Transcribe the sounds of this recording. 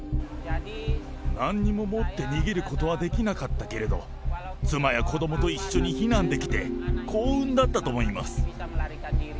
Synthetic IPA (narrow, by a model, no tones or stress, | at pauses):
nãɲ̟ːimo̞mo̞t̪ːe̞ɲ̟iɡʲeɾɯ̟ko̞t̪o̞β̞ad̪e̞kʲinakat̪ːake̞ɾe̞d̪o̞ | t͡sɨmajakʰo̞d̪o̞mo̞t̪o̞iɕːo̞ɲ̟içinãnd̪e̞kʲi̥t̪e̞kʰo̞ːɯ̟̃nd̪at̪ːat̪o̞mo̞ima̰sɨ̥